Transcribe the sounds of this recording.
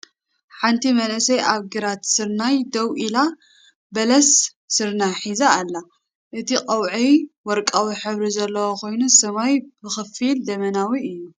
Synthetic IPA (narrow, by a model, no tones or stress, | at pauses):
ħant̪ʰimɐnʔɨsɐjʔaβɡɨɾat̪sɨɾnajd̪ɐwʔila | bɐlɐsː | ɨɾnajħizaːlːa | ʔɨt̪ʰikʼɐwʕiwɔɾkʼawiħɨβɾizɐlːɐwokʰo̞jnusɐmajbɨxɨfild̪ɐmɐnawiɨjːu